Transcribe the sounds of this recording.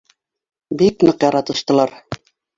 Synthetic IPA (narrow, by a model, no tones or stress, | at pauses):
biknɤqjɑɾɑt̪ɤ̆ʃt̪ɤ̆lˠɑɾ